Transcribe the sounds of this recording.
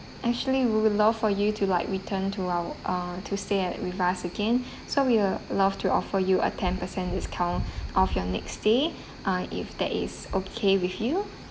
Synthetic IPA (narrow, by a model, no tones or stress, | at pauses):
ʔɛk̚t͡ʃuəliwiwlav̥fɔjutʰulaɪkɹitʰə̃ntʰuaʔʌtʰusteɛtɹivasəɡɛ̃n | sowilav̥tʰuʔɔfəjuʔə̰tʰɛ̃npəsɛ̃ndɛskʰãʊ̃nʔɔfjɔnɛ̰ksd̥e | ʔʌ̃ɪ̰fd̪ɛ̰tɪ̰sokʰewiθju